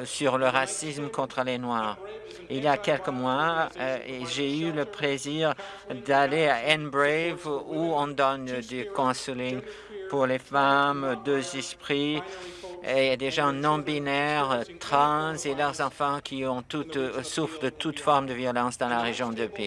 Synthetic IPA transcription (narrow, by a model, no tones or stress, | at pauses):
syʁləʁasismkɔ̃t̪χəlenwaːʁ | iljakɛlkəmwa | eʒeyləpleziʁ | d̪aleaɛnbʁevuɔ̃d̪ɔnd̪ykɔ̃səliŋ | puʁlefamd̪øzɛspχi | ed̪eʒɑ̃nɔ̃binɛʁt̪χɑ̃zelœʁzɑ̃fɑ̃kʲʰiɔ̃t̪ut̪sufd̪ət̪ut̪fɔʁmd̪əvjɔlɑ̃sd̪ɑ̃laʁeʒjɔ̃d̪əpi